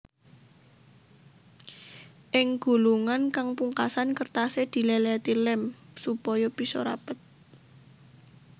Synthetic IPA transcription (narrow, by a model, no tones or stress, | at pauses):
ʔɪŋɡ̥ṳluŋankaŋpuŋkasankərt̪ased̪̥i̤lɛlɛt̪ilɛmsupɔjɔb̥i̤sɔɾa̰pət̪̚